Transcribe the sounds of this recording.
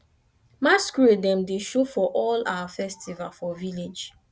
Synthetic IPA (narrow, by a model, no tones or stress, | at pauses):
maskɹedɛ̃mdeʃofɔʔɔla̰wafɛstivalfɔviled͡ʒ